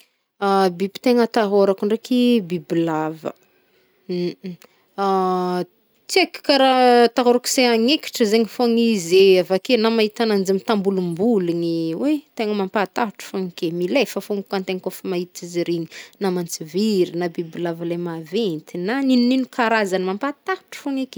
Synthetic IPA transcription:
abibi̥t̪eŋət̪aɦoɾakuɳrekibibilavə̰ | t͡s̪iaki̥kaɾat̪aɦaɾuki̥seaŋeki̥ʈ͡ʂəzeŋifoŋizeavakenamaɦit̪anand͡zimit̪ambulumbuliniwet̪eŋəmampat̪aʈ͡ʂu̥foŋikemilefəfoŋikant̪eŋkofimait̪iziɾiɲinamant͡siviɾinabibilavəlamavent̪inaninuninukaɾazanimampat̪aʈ͡ʂu̥foŋike̥

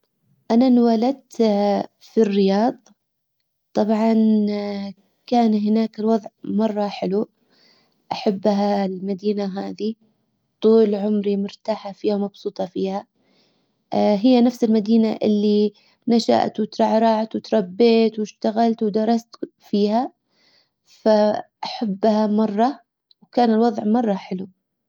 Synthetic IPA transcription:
ʔananwalad̪̚t̪ | firːɪjɑːðˤ | t̪ˤːɑbʕɑn | kaːnɦɪnaːkɪlwɑðˤʕmɑrˤːɑħɪlu | ʔaħabːɦalmad̪iːnaɦaːði | t̪ˤuːlʕʊmɾimʊɾt̪aːħafiːamɑbsuːt̪ˤɑfiːha | ɦɪjːanafsɪlmad̪iːnaʔɪlːi | naʃa̰ʔt̪wɪt̪ɾˤɑʕɾˤɑʕt̪wɪt̪ɾˤɑbːeːt̪wɪʃt̪aɣalt̪wd̪ɑɾˤɑst̪ | fiːha | faʔaħabːhamɑrˤːɑ | wkaːnɪlwɑðˤʕmɑrˤːɑħɪlu

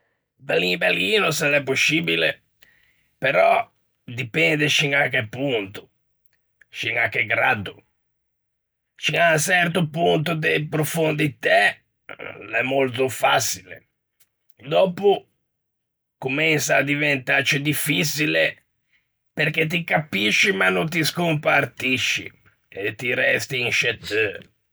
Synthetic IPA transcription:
balibaliːnʊsɛlɛpːosːiːbilḛ | peɾɔ | d̪ipɛnd̪eʃiŋakɛpːunt̪ʊ̥ | ʃiŋakːɛɡɾa̰d̪ʊ | t͡ʃiŋasɛrt̪̬ʊpunt̪ʊd̪epɾofund̪it̪ɛ | lɛmːolt̪ʊfasilḛ | d̪ɔːpʊ | kumɛnsaːd̪ivɛnt̪at͡ʃid̪ifisile | peɾk̟et̪̬ikapiʃːimanːont̪̬iskumpart̪iʃːḭ | et̪ːiɾɛst̪iːnʃɛt̪ːø

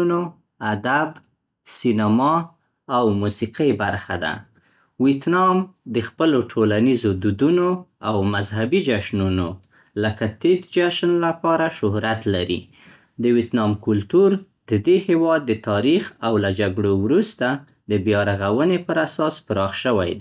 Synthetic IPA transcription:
no | ad̪ab | sinamɑ | awmusiqibaɾxa̰d̪a̰ | wit̪nɑmd̪əxpəloʈʰolanizod̪ud̪unoawmazhabid͡ʒaʃnuno | ləkat̪et̪d͡ʒaʃnlapɑɾaʃʊhɾat̪laɾḭ | d̪əwit̪nɑmkʊlt̪uɾ | d̪əd̪ehewɑd̪ːət̪ɑɾixawlad͡ʒaɡɽowɾust̪ad̪əbjɑɾaɣawənepəɾasɑspəɾɑxʃəwa̰jd̪

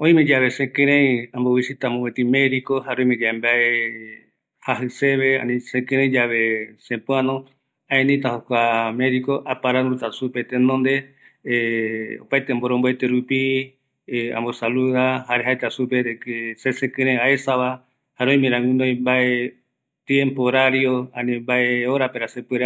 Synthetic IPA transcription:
õĩmẽd͡ʒaβe̞sẽkẽɾ̃ẽãmbowisit̪amõwet̪imeɾikohaɾõj̃mẽd͡ʒaembae | haɦɨseβeã̰nĩsẽkɨ̃ɾẽĩd͡ʒaβesẽpũanõ | ãẽnĩt̪aɦokʷamẽɾikoʔapaɾanut̪asupet̪enõnd̪e | o̰pajt̪emboɾõmboet̪eɾupi | ã̰mbosaluðahaɾeɦajt̪asupeɾekesesẽkɨ̃ɾẽaesaβa | haɾõĩmẽɾãŋɡunõj̃mbae | t̪ẽmpoɾaɾjoãnĩmbaeoɾapeɾasepɨɾa

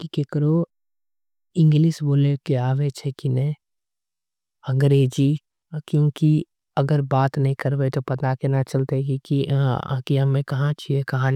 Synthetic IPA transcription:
kikekəɾo | ɪ̃ŋɡlɪsboːlekeaːʋet͡ʃʰekinɛ | ɐ̃ŋɡɾeːd͡ʒi | kjõːki | ɐɡəɾbaːt̪nɐɦĩkɐɾbet̪opɐt̪akenat͡ʃɐlt̪ekikḭkiɦɐmẽkɐɦãt͡ʃʰiekɐɦãn

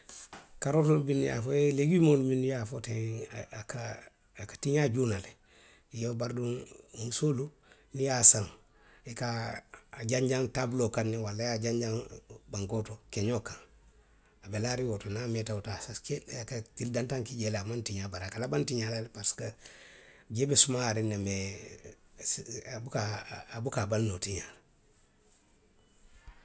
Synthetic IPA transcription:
kaɾotolbinija̰foeleɡimoluminijafotekaː | kḁtiɲaɟunale | ijobaɾduŋunsolu | nijasãŋ | ekaː | ɟaɲɟaŋtabulokanːiwalajaɟaɲɟaŋbaŋkotokeɲokãŋ | abelaɾiwotonametautasakekatildãntãŋkiɟeleamãntiɲabaɾakalabantiɲalalpaɾsi̥ka | ɟebesumaːɾineme | bukaːbukabalnotiɲa

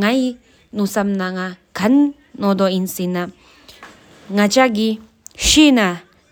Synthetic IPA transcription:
ŋaj | nusamnaŋakʰanː | ɔd̪ɔinsina | ŋat͡ʃaɡi | ʃina

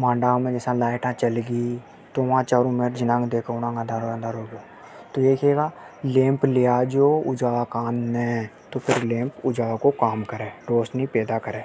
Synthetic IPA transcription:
mãːɳɖamẽd͡ʒɛːsãlaːɪʈãt͡ʃɐlɡi | t̪oʋãt͡ʃaːɾũmeːʈd͡ʒɪnãːŋɡd̪eːkʰonãːɡãd̪aɾoãnd̪aɾoːɡoː | t̪ojekeːɡaː | lẽːmplejad͡ʒoːʊd͡ʒaːakaːnːẽt̪opʰɪɾlẽːmpʊd͡ʒaːakokaːmkəɾẽːɖoːsnĩpɛːd̪akəɾẽː

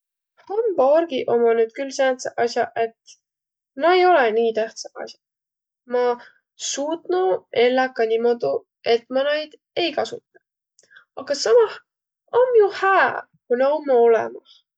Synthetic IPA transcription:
hɑmborɡ̥iʔo̞mɑnyːd̪̥̚kylsent̪sɑʔɑsjɑʔe̞t̪ | mɑejo̞leniːt̪æht̪sɑʔɑ̰sjɑ̥ | mɑ | suːt̪nue̞lːɑkːɑnimo̞d̪̥u | e̞t̪ːˑmɑnɑjd̪̥ | e̞jkɑsut̪ːˑɑ̥ | ɑɡ̥ɑsɑmɑh | omjuhæː | kunɑomːɑo̞lɛ̰mɑh

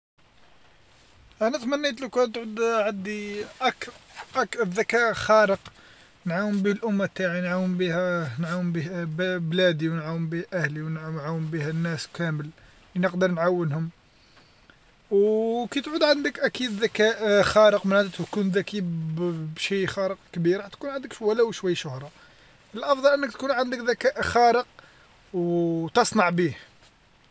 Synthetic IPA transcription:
ʔænæt̪mænːit̪̬lukænt̪ʕud̪ʕad̪iʔækʔækðækæʔxæɾəq | nʕawəmbihlʔʊmːat̪ːaʕinʕawːəmbihænʕawəmbihbblæd̪iwnʕawːəmbiʔæhliwnnʕawːəmbihænːæskʰæməl | linəqd̪əɾˤnʕawːənhʊm | wkæt̪ʕud̪ʕənd̪əkʔækid̪ðækæʔxɑɾəqmənʕad̪ət̪kunðæki | bʃijxɑɾəq̚kbiɾħæt̪kunʕənd̪əkʃwælæwʃwæjːʃʊhɾˤɑ | əlʔɑfd̪ˤɑlʔənːəkt̪kunʕənd̪əkðækæʔxæɾəq̚ | wt̪ɑsˤnɑʕbih

